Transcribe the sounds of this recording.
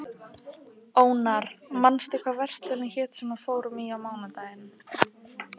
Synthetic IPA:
oːwnaɾmanst̪ɪkʰvavɛr̥st̪lɛlɪnçɛːt̪sɛmḁfoːwɾʏmiawmaːwnat̪aːjɪn

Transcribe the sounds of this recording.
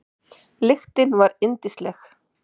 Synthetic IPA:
lɪxt̪ɪnvaɾɪnt̪ɪst̪lɛx

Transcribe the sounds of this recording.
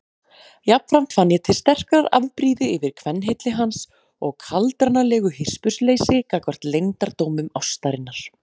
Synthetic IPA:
jap̚nfɾam̥t̪fanːjɛt̪ʰɪlst̪ɛr̥kaɾa̰ðpɾiːðʏɪvɪɾ̥kʰvɛnːɦejt̪lɪɦans | ɔɣkʰalt̪ɾaɾnalɛːɣʏhɪr̥spʏsleːjsɪkaːkvar̥t̪lejnt̪aɾt̪owmʏmawst̪aɾɪnːaɾ̥

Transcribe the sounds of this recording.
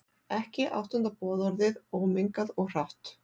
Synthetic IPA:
ɛhcɪʔa̰wht̪ʏnt̪apɔːðɔɾðɪðowmɪŋkaðɔɣr̥aht̪

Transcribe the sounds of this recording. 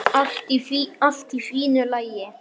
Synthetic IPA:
alt̪ifial̥t̪ifiːnʏlajɪ

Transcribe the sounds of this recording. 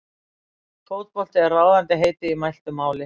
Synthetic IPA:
t̪ʰoːwðpɔl̥t̪ɪɛrraːwðant̪ɪɦeːjt̪ɪimajlt̪ʏmaːwlɪ

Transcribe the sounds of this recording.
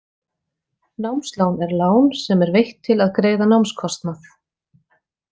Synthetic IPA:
nawmslaːwnɛɾlaːwnsɛmɛɾvejht̪ʰːɪlaðkɾeːjðanawmskʰɔst̪naθ

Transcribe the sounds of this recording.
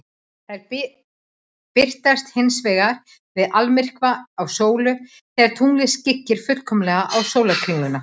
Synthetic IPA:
θaðɛɾ | pɪr̥t̪ast̪hɪnsvɛːɣaɾ̥ | vɪðalmɪr̥kvaːwsoːwlʏ | θɛːɣaɾ̥t̪ʰuŋlɪscɪcːɪɾ̥fʏ̥kʰœmlɛɣaʔawsoːwlakʰɾiŋːʏna

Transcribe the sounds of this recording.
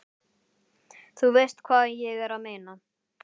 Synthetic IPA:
θuvɪjst̪kʰvaːðɛnjɛɣɛɾaðmeːjna

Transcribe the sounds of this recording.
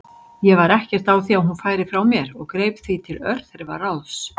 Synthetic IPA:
jɛvaɾɛhcɛr̥t̪awθiawɦunfaːjɾɪfɾawmjɛɾɔɣkɾejpθit̪ʰɪlœɾθɛɾva̰raws

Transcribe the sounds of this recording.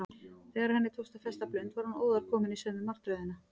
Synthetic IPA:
θɛːɣaɾ̥hɛnːɪt̪ʰowst̪afɛst̪aplœɥnt̪vaɾhano̰ːwðaɾ̥kʰɔːmɪnisɛðmɪmar̥t̪ɾœɥðɪna

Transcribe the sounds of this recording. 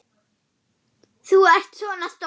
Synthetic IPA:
θuɛr̥t̪svɔːnast̪

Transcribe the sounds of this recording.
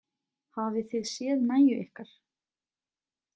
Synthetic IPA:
havɪθɪðsjɛːðnaːjʏʔɪhkaɾ̥

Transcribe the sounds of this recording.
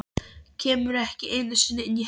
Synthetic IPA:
cʰeːmʏɾɛhcɪʔeːnasɪnɪɪni

